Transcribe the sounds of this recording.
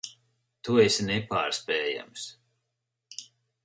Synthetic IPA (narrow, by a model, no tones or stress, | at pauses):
t̪uɛsʲnɛpa̰ːɾspɛːja̰ms